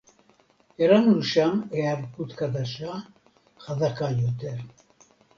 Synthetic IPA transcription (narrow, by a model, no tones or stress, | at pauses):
ɛɾanɾuʃamɛaɾkut̪kʰad̪aʃa | χad̪akajɔt̪ʰɛɾ